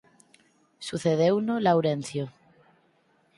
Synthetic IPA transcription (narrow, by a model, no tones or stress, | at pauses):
suθeð̞ewnolawɾen̟θjo